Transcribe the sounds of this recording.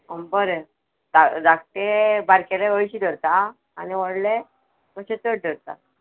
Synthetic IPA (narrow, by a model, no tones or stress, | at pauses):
əmbəɾe | d̪ad͡zakt̪ebaɾkeleʋəjɕiːd̪ʱəɾt̪aː | niʋəɽle | kəɕẽt͡s̪əɽ̚d̪ʱəɾt̪a̰